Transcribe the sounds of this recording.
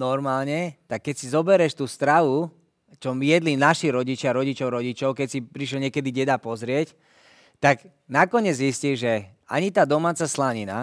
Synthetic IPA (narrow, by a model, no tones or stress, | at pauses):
nɔɾmaːlɲɛt̪akːɛcsizɔbɛɾɛʃt̪uːst̪ɾaʋu | t͡ʃɔmijɛd̪linaʃiɾɔɟit͡ʃɪaɾɔɟit͡ʃɔʊɾɔɟit͡ʃɔʊkɛcsipɾiʃ̬lɔɲɪɛkɛd̪iɟɛd̪apɔzɾɪɛc | t̪ak | nakɔɲɛd͡zɦisciʒɛa̰ɲit̪aːd̪ɔmaːt͡saslaɲina̰